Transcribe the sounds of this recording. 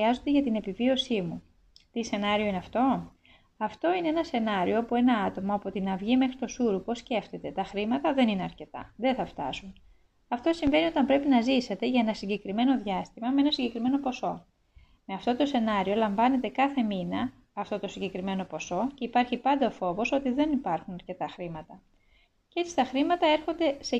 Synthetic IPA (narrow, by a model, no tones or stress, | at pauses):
iɐzo̞nd̪eʝɐt̪ine̞pivio̞simu | t̪ise̞nɐɾio̞ineɐft̪o̞ | ɐft̪o̞ineenɐse̞nɐɾioɐpue̞nɐɐt̪o̞mɐopo̞t̪inɐvʝime̞xɾit̪o̞suɾupo̞sce̞ft̪et̪e̞t̪ɐxɾimɐt̪ɐðe̞nineɐɾce̞t̪ɐ̰ðe̞θɐft̪ɐ̰sun | ɐft̪o̞siɱve̞nio̞t̪ɐmpɾe̞pinɐzise̞t̪e̞ʝɐe̞nɐsiɲɟe̞kɾime̞no̞ðʝɐst̪imɐmeenɐsiɲɟe̞kɾime̞no̞po̞so̞ | me̞ɐft̪o̞t̪o̞se̞nɐɾio̞lɐɱvɐne̞t̪e̞kɐθe̞minɐ | ɐft̪o̞t̪o̞siɲɟe̞kɾime̞no̞po̞so̞ce̞ipɐɾçipɐnd̪ɐofo̞vo̞so̞t̪iðe̞nipɐɾxunɐɾce̞t̪ɐxɾimɐt̪ɐ | ceet͡sist̪ɐxɾimɐt̪ɐe̞ɾxo̞nd̪e̞se